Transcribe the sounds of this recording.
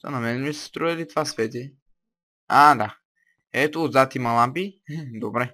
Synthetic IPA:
tɔ̰nãmɛ̃nist̪ɾuelit̪faskɛt̪e | ada | ɛt̪ud͡zat̪imãlãpid̪obɾɛ̃

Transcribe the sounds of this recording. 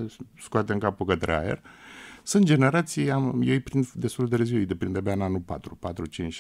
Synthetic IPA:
skoat̪eɨŋkapukət̪ɾa̰ḛrsɨnt̪̚d͡ʒe̞ne̞ɾat̪sijamjejpɾind̪e̞st̪ult̪ɾeziwejd̪epɾind̪ebeananupa̰t̪ɾupat̪ɾut͡ʃint͡ʃ

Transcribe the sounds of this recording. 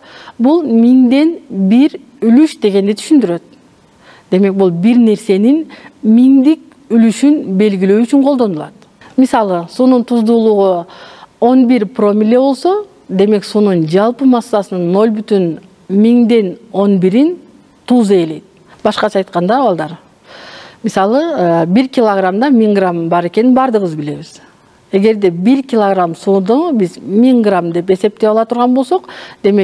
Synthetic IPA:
bulˠmiŋd̪e̞nbiɾ | ylyʃd̪e̞ɡe̞nd̪et̪ʰy̥ʃynd̪yɾø̞t̪̚ | d̪̥e̞me̞k̚bulˠbiɾne̞ɾse̞ninmiŋd̪ik̚ | ylyʃynbe̞lɡiløːyt͡ʃyŋqʰolˠd̪o̞nulˠɑ̰t̪ | misɑlˠɯsununt̪ʰuzd̪uːlˠuʁu | o̞nbiɾpro̞mʲile̞βo̞lˠso̞ | d̪e̞me̞ksunund͡ʒɑlˠpɯmɑsːɑsɯnɯnːo̞lʲbyt̪yn | miŋd̪e̞no̞nbiɾin | t̪ʰuzele̞jt̪̚ | bɑʃqɑt͡ʃʰɑːjt̪̚qɑnd̪ɑbɑlˠd̪ɑɾ | mʲisɑlˠɯəbiɾkʲilˠoɡramd̪ɑmʲiŋɡrambɑɾe̞ke̞ninbɑɾd̪ɯʁɯzbile̞βiz̥ | e̞ɡe̞ɾd̪e̞biɾkʲɪlˠoɡramsud̪ubizmʲiŋɡramd̪e̞pe̞se̞p̚t̪eɑlˠɑt̪ʰuɾʁɑnbo̞lˠso̞qd̪̥e̞mek

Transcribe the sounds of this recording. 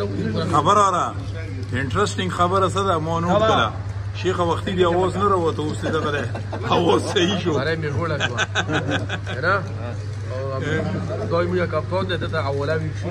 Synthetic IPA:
xabaɾaɾa | ɪɳʈɾesʈɪŋɡxabəɾas̬əd̪amɔnokala̰ | ʃexawaxt̪id̪iawɑznaɾawat̪aust̪id̪aɣad̪e | awɑzsaiʃoaɾajmeɣoɽaʃwa | aɾa | d̪ɔjmuɡakaft̪ɔnd̪ed̪ət̪aawɔlawikʃu

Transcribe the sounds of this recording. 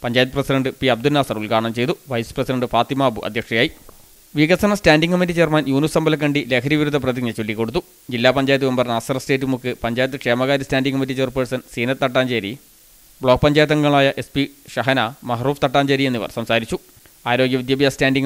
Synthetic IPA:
pɐɲd͡ʑaːjt̪ːɨprɐsidɐɳɖɨpiɐb̚d̪unnaːsɐruɭkaːɳɐmt͡ɕe̞jt̪uʋɐjsprɐsidɐɳɖɨfaːt̪imaːbuʔɐ̰d̪ʱjɐkʂɐjaːji | ʋiɣɐsɐnɐstaːnɖiŋkɐmit̬ːit͡ɕeːrmaːnjuːnusɐmbɐlɐk̬ːɐɳɖile̞ːkʰɐɾjɐʋiɾud̪ʱːɐp̬rɐðiɡɲɐt͡ɕolːikːo̞ɽut̪̬ːu | d͡ʑilːaːpɐɲd͡ʑaːjɐt̪ːiʋembɐrnaːsɐrɐste̞ːtːumukːɨpɐɲd͡ʑaːjɐt̪ːɨkʂeːmɐɣaːɾistaːnɖiŋɡɐmit̬ːit͡ɕerpesɐnsiːnɐt̪ːɐʈːaːnd͡ʑeːɾḭ | bɭo̞ːk̚pɐɲd͡ʑaːjɐt̪̬ːɐŋːɐɭaːjɐʔe̞spiɕɐɦɐnɐmɐɦɐruːft̪ɐʈːaːɲd͡ʑeɾienːiʋɐ̰rsɐmsaːɾit͡ɕːu | aːɾo̞ːɡjɐʋid̪jaːbjaːstaːnɖiŋ

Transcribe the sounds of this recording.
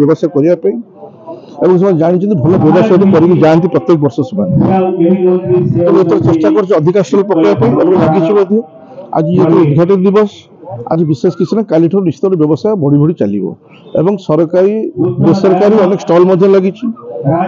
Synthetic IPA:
jɔbɔsajkɔɾibapaĩ | ebɔŋks̬emad͡ʒaɽ̃it͡ʃʰɔnt̪ibʱɔlɔbjɔbɔsajɔt̪kɔɾit̪id͡ʒant̪ipɾɔt̪jek̚bɔɾsɔsɔman | t̪ɔmet̪ʰɔɾat͡ʃesʈakɔɾt͡ʃʰiɔd̪ʱikaɾsɔlpɔkibapaĩḛbɔlaɡit͡ʃʰimɔd̪ʱjɔ | a̰d͡ʒiekʰɔud̪ɡʱaʈ̬ed̪d̪ibɔs | a̰d͡ʒibisesɔ̥kisʰinakaliʈʰɔɾnist̪ɔɾɔbjɔbɔsajɔbʱɔɽibʱɔɽit͡ʃa̰lḭbɔ̰ | ḛbɔŋsɔɾkaɾibesɔɾɔkaɾiɔnekɔ̥sʈɔlmɔd̪ʱjɔlaɡit͡ʃʰi

